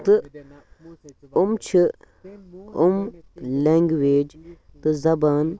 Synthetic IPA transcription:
t̪ɨ | umt͡ʃʰi | umleːŋɡʋeːd͡ʒ | t̪ɨzɐban

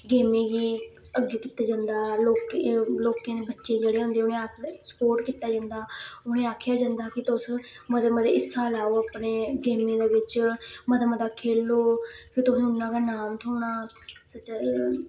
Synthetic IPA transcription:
ɡeːmẽːɡiː | əɡːeːkiːt̪aːd͡ʒãːnd̪aːloːkeloːkẽːd̪eːbətːʃẽːd͡ʒeːɽeːõːnd̪eːʊnẽːaːkʰːsə̥poːʈkiːt̪aːd͡ʒãːnd̪aːʊnẽːaːkʰjaːd͡ʒãːnd̪aːkɪt̪ʊs | məd̪aməd̪ḛːɪsːaːlaːoːaːpneːɡeːmẽːd̪eːʋɪt͡ʃməd̪aməd̪aːkʰeːlːoːpʰɪɾt̪ʊsĩːʊnːãːkaːnaːmt̪ʰoːnaː | sət͡ʃa

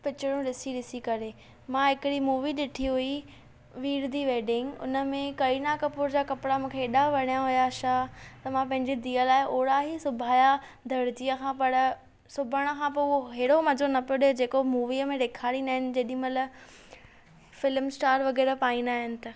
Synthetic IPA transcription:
pɪt͡ɕɪɽ̃ũɾɪsiɾɪsikɐɾe | mãːɦɪkɪɽimuːʋiɗɪʈʰiɦʊi | ʋiːɾd̪ʱiʋeːɖɪ̃ŋɡʊ̰nə̆mẽkɐinakɐpʊɾd͡ʑaːkɐpɪɽamũːkʰeːɗaʋɐɽ̃ijaɦʊjaʃat̪ɐmãːpɐ̃ɦɪ̃ɲd͡ʑid̪iːəlaːɪʔoːɽaɦisʊbʱaːja | d̪ʱɐɾd͡ʑijəkʰãːpɐɽ | sʊbʱəɽ̃ə̆kʰãːp̬oʊɦoɦeːɽomɐd͡ʑonɐpoɗed͡ʑeːkomuːʋiəmẽɾeːkʰaːɾinaːɦɪnɪ̆d͡ʑɐːɗĩɦmɐt̪ləb | fɪlmsʈaːɾʋɐɣɛːɾpaːĩnaːɦɪnɪ̆t̪ɐ

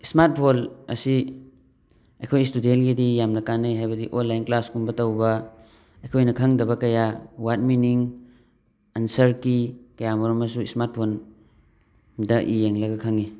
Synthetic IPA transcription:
ismat̚pʰolɐ̰si | ɐjkʰojstudelɡidijamnɐkanɯjɦajbɐdiʔonlːajnklaskumbɐtɐwbɐ | ɐjkʰojnɐkʰaŋdɐbɐkɐjawat̚miniŋ | ansɐɾkikɐjamɐɾɔmɐs̬uismat̚pʰon | dɐʔijeŋlɐɡɐkʰaŋi

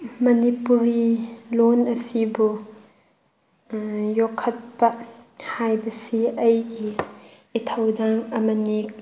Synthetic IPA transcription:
mɐnipuɾilonɐsibu | jɔkʰːɐt̚pɐʔhajbɐsiʔɐjɡiː | t̪ʰɐwdaŋɐmɐni

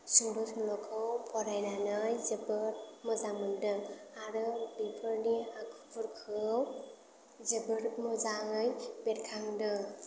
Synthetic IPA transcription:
suŋdɔsʰmlɔkʰɯpʰɔɾajnanɯjzɯbɯɾmɯzamɯndɯmaɾɯbipʰɯɾniakʰupʰuɾkʰɯw | zɯbɯɾmɯzaŋɯjbetkʰaŋdɯ

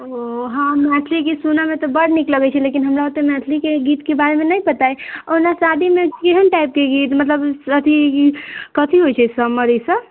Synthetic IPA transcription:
oɦãmɛʈ̪ʰlikisunamet̪ɔbəɽnikləɡɛt͡ʃʰɛlekinɦəmɾaot̪ːemɛʈ̪ʰlikeɡit̪kebaɾemenajpət̪aeonasad̪imekeɦənʈaip̚keɡit̪mət̪ləbət̪ʰi | kət̪ʰiɦojt͡ʃʰɛsəməɾisə

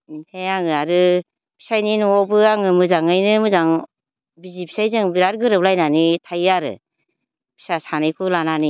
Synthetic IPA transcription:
heaŋɯaɾɯ | pʰi̥sajninɔbɯaŋɯmɯzaŋɯjnɯmɯzaŋ | bizipʰi̥sajzɯŋbiɾaɾɡɯɾɯp̚lajnanitʰajaɾɯ̰ | bʰi̥sasanɯjkʰulanani

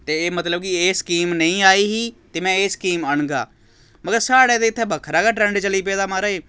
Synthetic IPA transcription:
t̪eːeːmət̪ləbkɪeːskiːmnəĩːaːiːɦiːt̪eːmɛ̃ːeːskiːməɳɡa̰ː | məɡəɾsaːɽeːd̪eːɪt̪ʰːɛːbʱəkʰɾaːɡaːʈɾɛ̃ːɳɖt͡ʃəliːpɛːd̪aːmaːɾaːeː

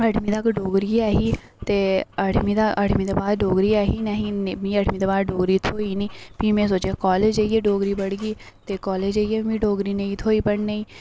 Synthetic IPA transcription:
əɖmiːt̪əkɖoːɡɾiːɛːɦiː | t̪eːəɖmĩːd̪aəɖmiːd̪eːbaːd̪ɖoːɡɾiːaːɦiːnəɦĩːnmĩːəɖmiːd̪eːbaːd̪ɖoːɡɾiːt̪ʰoːiːniːpiːmẽːs̬oːt͡ʃeːkɔːleːd͡ʒaːiɛːɖoːɡɾiːbəɽɡiː | t̪eːkɔːleːd͡ʒaːiɛːbĩːɖoːɡɾiːnəĩːt̪ʰoːiːpəɽneiː

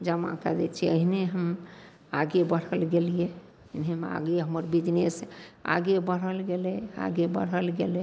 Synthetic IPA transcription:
d͡ʒəma̰kad̪et͡ʃʰiəɦineɦəm | aɡebəɽ̤əlɡelije | inema̰ɡeɦəməɾbid͡ʒnesa̰ɡebəɽ̤əlɡelɛa̰ɡebə̰ɽ̤əlɡelɛ

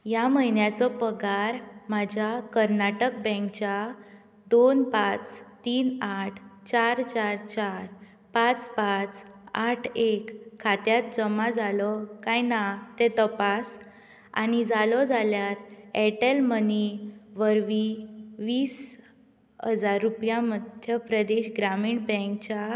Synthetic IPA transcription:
jaməɦinjat͡sɔpəɡaɾmad͡ʑʱakəɾnaʈək̚bɛ̃ŋkt͡ɕa | d̪onpat͡st̪iːnaʈʰt͡ɕaɾt͡ɕaɾt͡ɕaɾ | pãt͡spat͡saʈʰekʰːat̪jat̪̚d͡zəmad͡zalɔkajnat̪et̪əpas | a̰nid͡zalɔd͡zaljaɾɛʈelməniʋəɾʋiʋiːs | ɦəd͡zaɾːupjaməd̪ʱjəpɾəd̪eɕɡɾamiːɽbɛ̃ŋk̚t͡ɕa

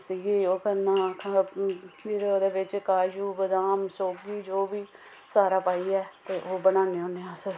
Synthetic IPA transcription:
siːɡioːkənaːkʰ | d͡ʒiːɾeːoːd̪eːʋɪt͡ʃkaːd͡ʒuːbəd̪aːmsoːɡiːd͡ʒoːʋiː | saːɾaːpaːiːɛːt̪eːʔoːbənãːneːɦõːneːãːsəɾ

